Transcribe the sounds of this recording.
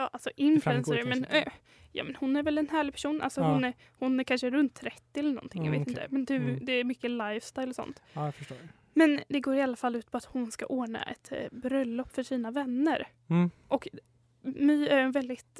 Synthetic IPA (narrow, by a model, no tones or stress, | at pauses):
jɑːʔalsɔʔɪnfʉɛnsəɾmɛn | jɑ̰ːmɛnhʊnːæɾvɛlɛnɦæːɭɪpʰæ̥ʂuːnʔa̰lsɔhʊn | hʊnæɾkʰanʂəɾɵnt̪ʰːɾɛt̪ːɪɛlːənɔ̰nt̪ʰɪŋŋja̰vḛːt̪ɪnt̪əmɛnd̪ʉd̪ɛːɾmʏkːəlajvst̪ajlsɔ̰nt̪fə | mɛnd̪ɛɡoːɾɪalːafalːʉ̟ːt̪̚pʰɔat̪hʊnska̰ʔoːɳa̰ʔɛ̰t̪bɾœlːɔpːfœʂiːnavɛnːəɾ | ʔɔk | myːæɾɛnvɛld̪ɪt̪